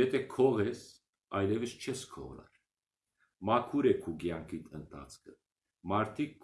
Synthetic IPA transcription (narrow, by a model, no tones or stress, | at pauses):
ɛt̪ʰɛkʰɔʁɛs | ɑjlɛvəst͡ʃʰɛskʰɔ̰ʁlɑ̰ɾ | mɑkʰuɾɛkʰuɡjɑŋkʰit̪ʰənt̪ʰɑ̰t͡sʰkʰə | mɑɾt̪ʰikː